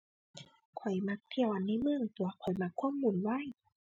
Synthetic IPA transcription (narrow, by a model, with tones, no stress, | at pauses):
kʰɔ˨˩jma˧˥k̚t̪ʰi˧˩əwʔa˨˧˩nːa˧˥˨mɯ˧˨ŋt̪u˨˩ɐkʰɔ˨˩jma˧kʰːa˧˥˨mːu˧˩˨nwa˧˥˨j